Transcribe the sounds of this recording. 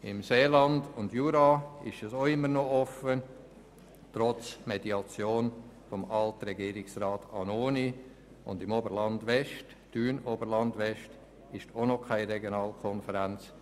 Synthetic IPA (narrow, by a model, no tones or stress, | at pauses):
ɪmseːlɑndʊndjuːɾɑɪʃɛsoɪmːəɾnoɔfə | tɾɔt͡smediɑt͡sjoːn | fomɑltɾɛɡiːɾɪksrɑːtɑnoːni | ʊ̰ndɪmobəɾlɑndʋɛʃt | d̥yːnobəɾlɑndʋɛʃt | ɪʃonokʰaɪɾɛɡjonɑːlkʰɔnfəɾænt͡s